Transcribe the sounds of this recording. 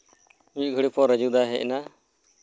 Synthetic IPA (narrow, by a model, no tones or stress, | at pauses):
uɡʱəɽipʰɔɾəd͡ʒud̪aɦɛʔɛ̰na